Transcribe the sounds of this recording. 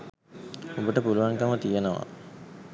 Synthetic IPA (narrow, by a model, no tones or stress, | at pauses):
obəʈəpuluʋaŋkəmət̪ijenəʋa̰